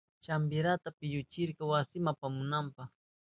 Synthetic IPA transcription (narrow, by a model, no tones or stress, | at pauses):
t͡ʃambɪɾat̪apɪʎʊt͡ʃɪɾkɑwasɪmapamʊnampɑχ